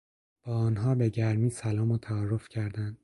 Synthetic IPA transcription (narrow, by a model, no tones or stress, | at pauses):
b̥ɒːɒːnɦɒːbe̞ɟæɾmiːsælɒːmot̪ʰæɒːrːo̞fcʰæɾd̪ænd̪̥